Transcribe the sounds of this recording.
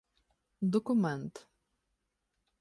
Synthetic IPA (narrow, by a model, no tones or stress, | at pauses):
d̪ɔkʊmɛnt̪